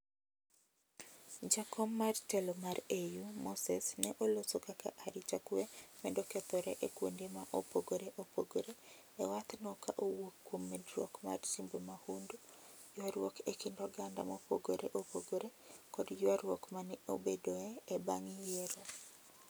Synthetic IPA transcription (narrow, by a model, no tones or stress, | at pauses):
d͡ʒakɔmːartɛlɔmaɾejumosɛsnɛʔolosokaka̰ʔaɾit͡ʃakuemɛndɔkɛt̪ɔɾɛʔekwo̰ndemaʔopoɡoɾeʔopoɡoɾe | ɛwat̪nɔkaʔowokːwomːedɾwɔ̰kma̰rsimbomahundu | jwaɾwɔkekindɔɡanda̰mopoɡoɾʔḛʔopoɡoɾekɔdd͡ʒwaɾwɔkmanɛo̰bedoɛːbaŋijeɾo